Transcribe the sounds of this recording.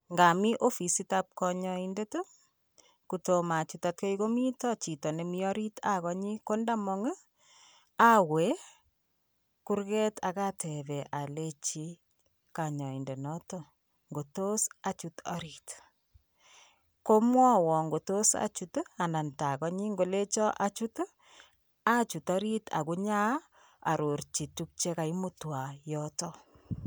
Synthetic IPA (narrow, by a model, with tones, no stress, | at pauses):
ŋɡa˨mi˦ʔo˦fi˨si˦tap̚kɔɲɔindeto˦ | kuto˨ma˨t͡ʃu˨tat̚ke˦iko˦mi˦tɔ˦t͡ʃi˨tɔ˨ne˨mi˦ɔ˦ɾi˦tʰa˨kɔ˦ɲi˦ko˦nda˦mɔ˦ŋə˦ | a˦we˨˦ | ku˦ɾɣɛ˦ta˨ka˦tɛ˨βɛ˨ʔa˨le˦t͡ʃi˦ | ka˨ɲɔ˨i˨nde˨nɔ˦tɔ˦ | ŋɡo˨to˦sa˨t͡ʃu˦tɔ˦ɾi˨t | ko˦mwɔ˦wɔ˨ŋɡo˨to˦sa̰t͡ʃu˨ta˨nda˨nta˨kɔ˦ɲi˦ŋɡo˨le˦t͡ʃɔ˦ʔa˦t͡ʃu˦t | a˦t͡ʃu˨tɔ˦ɾi˦ta̰˨ku˦ɲa˦ | a̰˨ɾo˨ɾt͡ʃi˨tu˦k̚t͡ʃe˦ka˨i˦mu˦twa˨jɔ˦tɔ˦